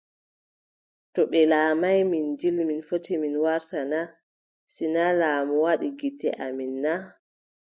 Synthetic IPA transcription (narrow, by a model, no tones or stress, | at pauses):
tɔɓɛlaːmajmind͡ʒilminfotiminwaɾtana | sinalamɔwaɗiɡitːɛ̰ʔaminːa